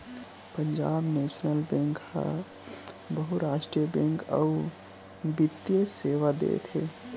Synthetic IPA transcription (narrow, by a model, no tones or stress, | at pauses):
pəɲd͡ʒabnesnəlbẽŋkha̰ | bəɦuɾaːʃʈɾijəbẽŋkə̰u | bit̪ːjəseʋad̪ḛt̪ʰe